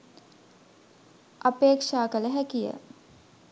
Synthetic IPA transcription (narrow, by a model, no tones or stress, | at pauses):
ʔapeːkʂaːkələɦækijə̰